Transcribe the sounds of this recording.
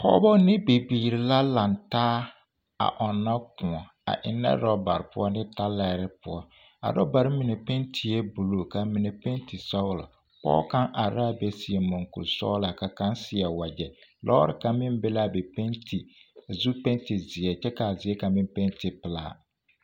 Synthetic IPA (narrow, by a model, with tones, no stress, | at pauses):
pɔ̰˦bɔ˦nɪ˦bi˨biː˨ɾi˨la˦la˨ntaː˦ | a̰˨ʔɔ˨nːa˦kʊ˨ɔ˨ | a̰˨ʔɪ̰˨nːɛ̰˦ɾɔ˦ba̰˨ɾɪ˨pʊ̰˦ɔ˦nɪ˦ta˦lɛ˦ɾɪ˦pʊ˦ɔ˦ | a̰˨ɾɔ˦ba˨ɾɪ˦mi˨ne˨pe˦ntʰi˨e˦bu˨lo˨ka˨mɪ˨ne˨pe˦nti˨sɔ˦ɣla̰˨ | pɔ̰˦ka˦ŋʔa˨ɾa˦be˦si˨e˨mɔ˨ŋkṵ˨lsɔ̰˦la˨ka˨ka˦nsɪ˨ɛ˨wa˨d͡ʒɛ˨lʔɔ̰˦ɾɪ̰˦˨ka˨mɪ˦mbɪ˦la˦˨bɛ˨pe˦ntʰi˨zu˦pe˦nti˨zɪ˨ɛ˨t͡ʃɛ˦ka˨zɪ˨ɛ˦ka˨mɪ˦mpe˦nti˨pɪ˨la̰ː˦˨